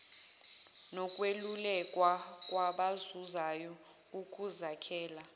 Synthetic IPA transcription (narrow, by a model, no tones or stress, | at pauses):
nɔkʼwelulɛkʼwakʼwaɓazuzajɔ | ukʼuzakʰɛːla